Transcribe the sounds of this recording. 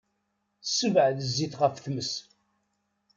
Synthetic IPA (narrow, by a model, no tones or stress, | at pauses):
θəsːəvʕðəzːiθʁəfθməs